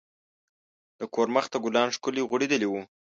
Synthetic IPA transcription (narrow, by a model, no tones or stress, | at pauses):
d̪̥əkoɾməxt̪aɡʊlɑnʂkʊliɣʊɽed̪əliwu